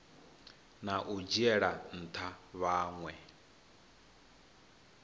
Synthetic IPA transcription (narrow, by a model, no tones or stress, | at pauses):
naʔud͡ʒiɛɺan̩t̪ʰaβaːŋwɛ